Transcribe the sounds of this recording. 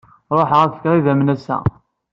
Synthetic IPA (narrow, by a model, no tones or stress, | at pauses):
ɾˤoħʁæfə̥kʁiðæmnæsæ̰